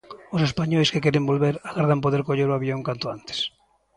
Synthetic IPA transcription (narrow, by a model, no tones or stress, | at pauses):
ʊsespaɲɔjskekɛɾembolβeɾaɣaɾð̞ampoðeɾkoʎeɾʊaβjoŋkant̪oant̪e̥s